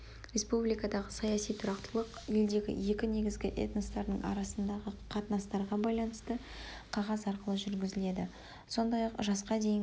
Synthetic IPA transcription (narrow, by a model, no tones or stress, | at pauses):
ɾʲe̞spublijkɑd̪ɑʁəsɑjɑsijt̪ʰʊɾɑqt̪əlˠəq | eld̪e̞ɡʲɪ̰je̞kʲɪne̞ɡʲɪzɡʲɪʔe̞̰t̪nost̪ɑɾd̪ə̰ɴʔɑ̰ɾɑsənd̪ɑʁəqʰɑt̪ənɑst̪ɑɾʁɑbɑjlˠɑnəst̪ə | qʰɑʁɑzɑɾqəlˠəʒʏɾɡʲɪzɪle̞d̪ɪ | so̞nd̪ɑjɑqʒɑsqɑd̪e̞j